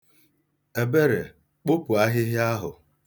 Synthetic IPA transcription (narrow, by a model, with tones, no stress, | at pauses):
e˨be˦ɾe˨ | k͡pʊ˦pʊ˨a˦ɦɪ˦ɦɪ˦a˦ɦʊ˨